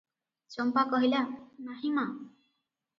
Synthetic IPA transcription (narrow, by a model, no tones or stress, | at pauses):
t͡ʃɔmpakɔɦilanaɦima